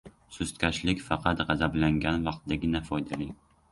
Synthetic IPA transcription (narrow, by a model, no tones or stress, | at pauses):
sʊst̪kʲʰaʃlɪkʲfɑqʰɑt̪ʁɑzablaŋɡʲanvɑqt̪̚d̪aɡʲɪnafɒjd̪alɪ